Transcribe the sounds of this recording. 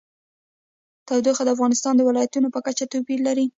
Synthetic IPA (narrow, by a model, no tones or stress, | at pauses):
t̪awd̪oxad̪əafɣɑnɪst̪ɑnd̪əwɪlɑjat̪unopəkat͡ʃat̪opiɾlaɾi